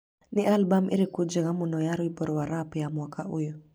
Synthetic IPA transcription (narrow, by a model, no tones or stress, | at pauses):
niʔalbamʔḭɾikud͡ʒɛɣamunɔjaɾuibɔɾɔwaɾapjamwakaujɔ